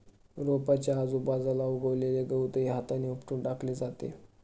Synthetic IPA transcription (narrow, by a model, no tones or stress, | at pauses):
ɾopat͡ɕjaːd͡zuːbad͡zalauɡəʋleleɡəwt̪əiɦat̪aniupʈuːɳɖakʰled͡zat̪ḛ